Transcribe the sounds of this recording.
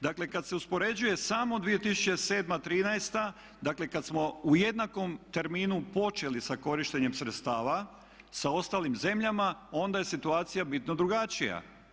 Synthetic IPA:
d̪akle̞kad̪se̞uspo̞ɾe̞d͡ʑuje̞saːmo̞d̪ʋije̞t̪isu̥t͡ɕe̞se̞ːd̪mat̪ɾiːnajst̪a | d̪akle̞kad̪smo̞uje̞d̪nako̞mt̪e̞ɾmiːnupo̞t͡ʃe̞lisako̞ɾiʃt̪e̞ɲe̞msɾet̪st̪aːʋa | sao̞st̪aːlimze̞mʎamao̞nd̪aje̞sit̪uaːt̪sijabit̪no̞d̪ɾuɡat͡ʃija̰

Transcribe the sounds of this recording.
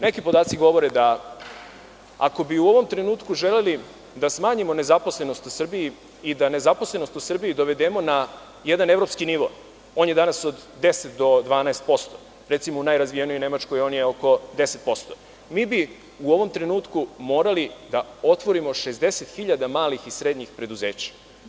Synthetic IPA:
ne̞kipo̞d̪aːt̪siɡo̞ʋo̞ɾed̪a | a̰ko̞biuo̞ʋo̞mt̪ɾe̞nuːt̪kuʒeleli | d̪asmaːɲimo̞ne̞zapo̞sle̞no̞st̪usr̩bii | id̪ane̞zaposlˠe̞no̞st̪usr̩biid̪o̞ʋe̞d̪eːmo̞na | jed̪anevɾo̞pskiniʋo̞̰ | o̞ːnje̞d̪anasod̪ːe̞set̪d̪o̞d̪ʋaːnaest̪̚po̞st̪o | ɾet̪simounajɾazʋijenijojne̞mat͡ʃko̞jo̞ːnjeoko̞d̪e̞set̪̚po̞st̪o | miːbi | uo̞ʋo̞mt̪ɾe̞nuːt̪kumo̞ːɾalid̪ao̞t̪ʋo̞ɾimo̞ʂezd̪e̞set̪xiʎad̪amaːlixisɾe̞d̪ɲixpɾe̞d̪uze̞ːt͡ɕḁ

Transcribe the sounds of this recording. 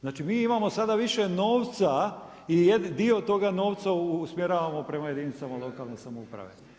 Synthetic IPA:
znaːt͡ʃimiːimamo̞sad̪aʋiʃe̞no̞ːʋt̪sa | ijed̪d̪io̞t̪o̞ɡano̞ːʋt̪sasmjeɾaːʋamo̞pɾe̞maje̞d̪iːnsamalo̞kalˠne̞samoupɾa̰ʋe̞̰

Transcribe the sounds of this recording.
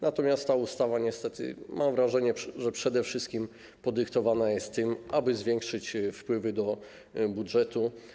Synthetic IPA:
nat̪ɔmʲjast̪ːaust̪avaɲɛst̪ɛt̪ʰɘ̰mʔamvɾaʐɛɲɛʐɛpʂɛd̪ɛfʂɘst̪kʲim | pɔd̪ɘkt̪ɔvanajɛst̪ːɘmʔabɘzvʲjɛŋkʂɘt͡ɕfpwɘvɘd̪ɔ | budʐɛt̪u

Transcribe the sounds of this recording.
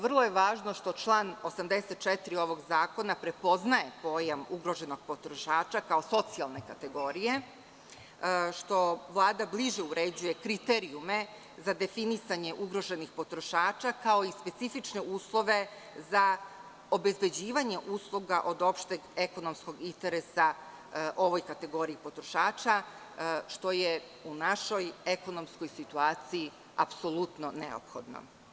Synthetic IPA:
ʋr̩lˠo̞je̞ʋaːʒno̞ʃt̪o̞t͡ʃlˠanosamd̪eset̪̚t͡ʃet̪ɾio̞ʋo̞ɡzaːko̞napɾe̞po̞znaje̞po̞ːjamuɡɾo̞ʒe̞no̞ɡ̥̚po̞t̪ɾo̞ʃaːt͡ʃakao̞so̞t̪sialˠne̞kat̪e̞ɡo̞ɾije̞ | ʃt̪o̞ʋlˠaːd̪abliʒeuɾe̞d͡ʑuje̞kɾit̪eɾiume̞ | zad̪e̞finisaɲeʔuɡɾo̞ʒe̞nixpo̞t̪ɾo̞ʃaːt͡ʃakao̞ispe̞t̪sifit͡ʃne̞uːslˠo̞ʋe̞ | za | o̞be̞zbe̞d͡ʑiːʋaɲe̞ʔuːslˠuɡaʔo̞d̪o̞pʃt̪eɡeko̞nomsko̞ɡint̪eɾesa | ʔo̞ʋo̞jkat̪e̞ɡo̞ɾiipo̞t̪ɾo̞ʃaːt͡ʃa | ʃt̪o̞je | unaʃo̞je̞ko̞no̞msko̞jsit̪uaːt̪siji | a̰pso̞lˠut̪no̞nḛo̰pxo̞̰d̪no̰

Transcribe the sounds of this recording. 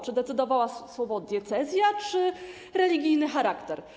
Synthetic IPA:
t͡ʂɘd̪ɛt̪sɘd̪ɔvawaswɔbɔd̪ʲjɛt̪sɛzʲjat͡ʂɘ | ɾɛlʲiɡʲijnɘxaɾakt̪ɛɾ

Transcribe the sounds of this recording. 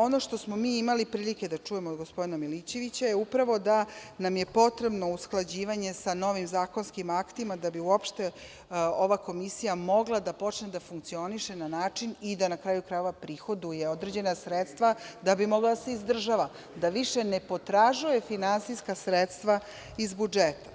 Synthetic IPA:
ono̞ʃt̪o̞smo̞miːimalipɾiːlike̞d̪at͡ʂuje̞mod̪ɡospo̞d̪inamilit͡ɕe̞ʋit͡ɕajeupɾaʋo̞d̪anamjepo̞t̪ɾe̞bno̞usklˠad͡ʑiːʋaɲe̞sano̞ʋimzaːko̞nskimakt̪imad̪abiuopʃt̪e | oʋako̞misijamo̞ɡlˠad̪apo̞t͡ʃned̪afuŋk̚t̪sio̞niʃenanaːt͡ʂinid̪anakɾaːjukɾajeʋapɾiːxo̞d̪uje̞o̞d̪ɾed͡ʑe̞nasɾet̪st̪ʋad̪abimo̞ɡlad̪ase̞izd̪r̩ʒaʋa | d̪aʋiʃe̞nepo̞t̪ɾaʒuje̞finansijskasɾet̪st̪ʋa | izbud͡ʒet̪ḁ

